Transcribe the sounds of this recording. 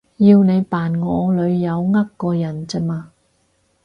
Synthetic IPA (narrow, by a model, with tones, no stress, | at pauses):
jiː˧wne˨˧jpaː˨˩nŋɔː˨˧lɵ˨˧ɥjɐ˨˧wŋɐ˥kkːɔː˧jɐ˨˩nt͡sɛ˥maː˧